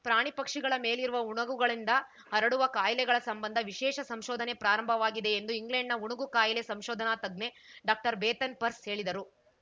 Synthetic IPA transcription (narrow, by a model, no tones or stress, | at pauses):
pɾaːɳipɐkʂiɡɐɭɐme̞ːliɾuʋɐuɳɐɡuɡɐɭind̪ɐ | ɦɐɾɐɽuʋɐkaːjɐlɛɡɐɭɐsɐmbɐnd̪ʱɐʋiʃɛːʃɐsɐmʃɔːd̪ʱɐnepɾaːɾɐmbʱɐʋaːɡid̪e̞ːnd̪uiŋɡleɳɖnɐuɳɐɡukaːjɐlesɐmʃɔːd̪ʱɐnaːt̪ɐɡne̞ɖaːk̚ʈɐɾbeːt̪ɐnpɐɾshe̞ːɭid̪ɐɾu